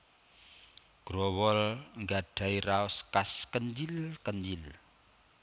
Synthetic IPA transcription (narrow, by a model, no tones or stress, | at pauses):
ɡ̥ɾɔwɔlŋɡaɖ̥a̤iraɔskaskəɲd͡ʒilkəɲd͡ʒil